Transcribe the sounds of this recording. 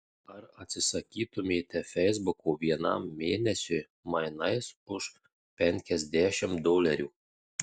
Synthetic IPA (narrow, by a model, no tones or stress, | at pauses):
ɐɾɐt̪ʲsʲɪsɐkʲiːt̪ʊmʲeːt̪ʲɛfʲɛɪzbʊkoːʋʲiɛnɐ̰mːʲeːnʲɛsʲʊj | mɐɪnɐɪsʊʃ | pʲɛŋʲkʲɛzʲd̪ʲæʃʲɪmd̪oːlʲɛɾʲuː